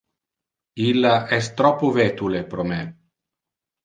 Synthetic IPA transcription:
ilːaɛst̪ɾɔpːovɛt̪ulepɾomɛ

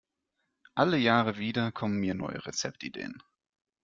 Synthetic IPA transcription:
ʔaləjaːʁəviːdɐkʰɔmənmiːɐnɔ̰ʏə̰ʁet͡sɛp̚tidḛːən

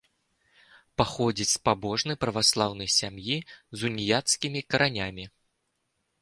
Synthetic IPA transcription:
paxɔd͡zʲit͡sʲspabɔʐnɨjpɾɐvaslˠawnɐjsʲamjizunʲijat̪skʲimʲikɐɾʔanʲamʲi

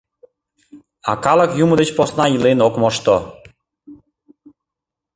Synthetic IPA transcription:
a̰kalakjumud̪et͡ɕposnailenokmɔʃt̪ɔ

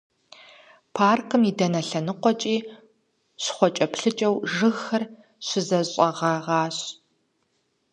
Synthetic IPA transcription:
pʰaːrkʰɨmidɐnɐɬɐnɨqʷɔt͡ʃʼiː | ɕχʷɔt͡ʃʼɐpɬɨt͡ʃʼɐwʒɨɣxɐr | ɕʷɪzɐɕʼɐʁɐʁɑːɕ

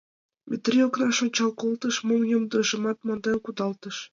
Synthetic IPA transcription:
mʲʔet̪rʲioknɑʃonʲt͡ɕɑlˠkolˠt̪ɤ̆ʃmoŋjomd̪ɤ̆ʒɤ̆mɑt̪mɑnd̪ɑlkud̪ɑlˠt̪ɤ̆ʃ

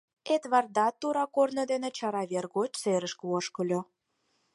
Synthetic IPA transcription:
et̪βɑrd̪ɑt̪ːuɾɑkornə̆d̪enĕt͡ɕɑɾɑβerɡot͡ɕseɾə̆ʃkəoʃkə̆lʲo

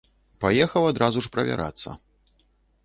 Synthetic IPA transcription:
pajɛxɐwad̪ɾʔazuʂpɾɐvʲa̰ɾʔa̰t̪sːɐ̰

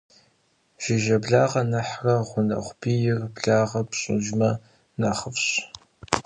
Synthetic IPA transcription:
ʒ̥ɪʒɐbɮaːʁɐnɐħrɐʁʷʊnɐ̰χʷbiːjɪrbɮaːʁɐpɕʼɪ̰ʒmɐ | nɐχəfɕ

